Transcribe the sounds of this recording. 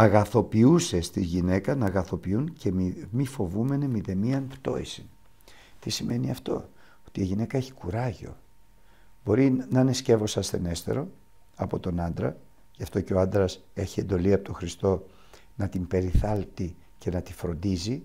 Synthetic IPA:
ɐɣɐθo̞piuse̞st̪izʝine̞kɐnɐɣɐθo̞piunceimifo̞vume̞nemiðe̞miɐnpt̪o̞isin | t̪isime̞niɐft̪o̞̰ | ot̪iiʝine̞kɐeçi̥kuɾɐʝo̞̰ | bo̞ɾinɐne̞sce̞vo̞sɐst̪e̞̰ne̞st̪e̞̰ɾo̞ | ɐpo̞t̪o̞nɐnd̪ɾɐ̰ | ʝɐft̪o̞ceo̞ɐnd̪ɾɐse̞çie̞nd̪o̞liɐpot̪oxɾist̪o̞ | nɐt̪imbe̞ɾiθɐlt̪i | ce̞nɐt̪ifɾo̞nd̪izi

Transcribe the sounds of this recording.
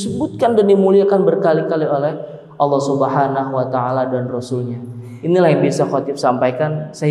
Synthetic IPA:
səbut̪̚kandandimuliakanbərkalikaliolɛh | ʔɑlːɑhsubəɦanaɦuwat̪aaladanrɔsulɲa | inilahjaŋbiasakoat̪ɪfsampajkansa

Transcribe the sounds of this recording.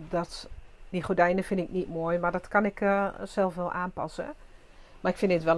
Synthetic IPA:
dɔtdiχodɛjnəfɪndɪk̚nitmoːjmadɔtkanɪksɛlˠfʋɛlˠʔaːnpɑsə̰ | marɪkfɪndɪtʋɛl

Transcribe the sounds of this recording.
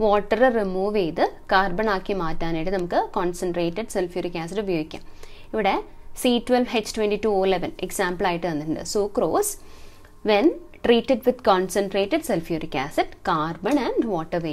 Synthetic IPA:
ʋoːʈːɐɾɐɾimuːʋeːd̪ɨkaːɾbɐɳaːkːimaːt̪ːaːneʈːɨnɐmukːɨkaːnsɐɳʈɾeːʈːɨɖselfjuːɾikʲaːs̬ɐʈːubɐjoːɡikʲːa̰ːm | iʋiɽesiːʈʋelʋɦet͡ʃʈʋeɳʈiʈuːoːileʋɐnḛksaːmpɐlaːjiʈːɨʋɐnd̪ɐɾuɳɖɨ̰soːkɾoːs | ʋen | ʈɾiːʈːeɖʋɪd̪kaːnsɐɳʈɾeːʈːɨɖselfjuːɾikʲaːsɐʈkaːɾbɐɳɐɳɖʋɔːʈːɐʋeː

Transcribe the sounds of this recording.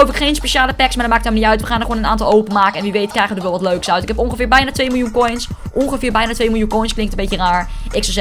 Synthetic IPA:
lowfɪkχejnspeʃaːləpɛksmadɔmaːk̚tɛmniœɥtʋəχaːndəxχoːnəna̰ːntɑlˠowpənmaːkəɛnʋiʋejtkrɛjχədəʋɛlˠʋɔtløɥksœɥtɪkɦɛpɔnχəfɪːɹbɛjnaːtʋejmɪlˠjunkɔjnsʔɔnχəfɪːɹbɛjnaːtʋejmɪlˠunkɔjnsklɪŋktəm̩betjəraːɹʔɪksɔz

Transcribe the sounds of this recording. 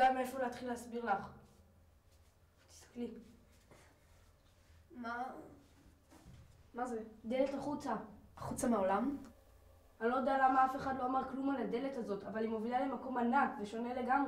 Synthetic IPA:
ameefoleat̪χilːeasbiʁlaχ | t̪i̥st̪ḁkli | ma | mazed̪e̞letaχut͡saaχut͡sameolam | alod̪ealamaafe̞χadlo̞amaʁklumalad̪e̞le̞tazo̞tavalimovilale̞mako̞manakveʃo̞ne̞le̞ɡamʁe

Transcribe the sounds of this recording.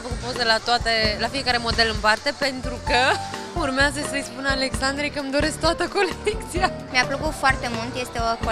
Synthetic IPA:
fəkut̪̚po̞zelat̪oat̪e̞lafije̞kaɾe̞mo̞d̪e̞lɨnpart̪e̞pe̞nt̪ɾukə | urmeazəsəjspunəale̞ksand̪ɾejkəmd̪o̞ɾe̞sk̚t̪at̪əko̞lek̚t̪sija | meapləkut̪foart̪e̞mult̪je̞st̪eoko

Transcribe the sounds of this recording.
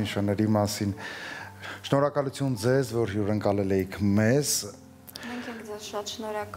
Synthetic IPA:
nəʃɑnɛɾimɑsin | ʃnɔɾɑkɑlut͡sʰjund͡zɛzvɔɾjuɾəŋkɑlɛlɛjikʰmɛz | mɛŋkʰɛŋkd͡zɛzʃɑt̪ʃnɔɾɑk

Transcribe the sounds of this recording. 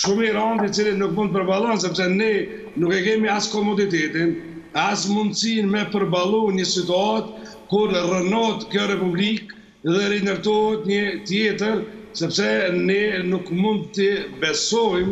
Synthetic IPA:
ʃumiɾant̪it͡silinukmund̪əpəɾbalˠɔns̬ɛpsɛnɛ | nukɛkɛmiaskɔmɔd̪it̪ɛt̪in | asmund̪sinmɛpəɾbalˠɔɲəsit̪uat̪ | kuɾrənɔt̪kjɔɾɛpublik | ðɛɾinəɾt̪ɔɦɛt̪ɲət̪jɛt̪əɾsɛpsɛnɛnukmund̪t̪əbɛsɔjm

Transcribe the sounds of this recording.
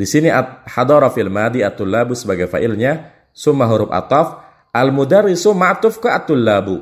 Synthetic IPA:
disiniʔaħad̪ɔɾɔfilmad̪iat̪ːulːabusəbaɡajfa̰ʔɪlɲa | sʊmːaɦuɾʊpa̰t̪ɔf | ʔalmud̪arːisʊmːaʔt̪ʊfkaʔat̪ːulːabu

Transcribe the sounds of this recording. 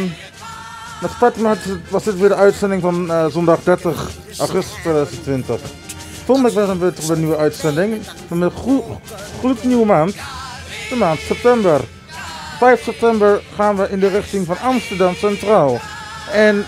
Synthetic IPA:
mɛtpatmatʋɑsdɪtʋɪːɹdəœɥtsɛndɪŋfɑnzɔndɑχdɛɹtəχ | ʔaχɵststʋeːdœɥzəntʋɪntəχ | fɔndəəkʋɛsənʋetəbənyʋəœɥtsɛndɪŋ | mamɛ | χlutniwəmaːntd̥əmaːntsɛp̚tɛmbər | fɛjfsɛp̚tɛmbəɹχaːnʋəʔɪndərɪχtɪŋvɑnʔɑmstəɹdɑmsɛntraːlˠɛn

